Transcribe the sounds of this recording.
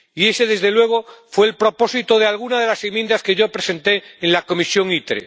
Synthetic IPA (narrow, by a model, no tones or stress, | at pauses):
ie̞seðe̞zðelwe̞ɣ̞o̞fweːlpɾo̞po̞sit̪oð̞ealɣ̞unaðelasemjend̪aske̞ʝo̞pɾe̞se̞nt̪e̞ːnlako̞misjo̞ŋit̪ɾḛ